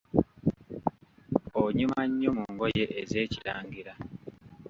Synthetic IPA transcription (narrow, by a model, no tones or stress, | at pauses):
oɲimaɲːomuŋɡojeʔːze̞ːciɾaːŋɡiɾa